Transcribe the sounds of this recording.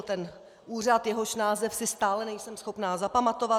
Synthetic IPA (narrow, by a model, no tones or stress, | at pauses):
t̪ɛn | ʔuːr̝at̪jɛɦo̞ʃnaːzɛfsɪst̪aːlɛnɛjsɛmsxo̞pnaːzapamat̪o̞va